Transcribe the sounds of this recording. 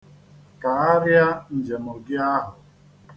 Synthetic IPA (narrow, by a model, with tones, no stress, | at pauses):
ka˨a˦ɾja˦n̩˨d͡ʒe˨mo˨ɡɪ˦a˦ɦʊ˨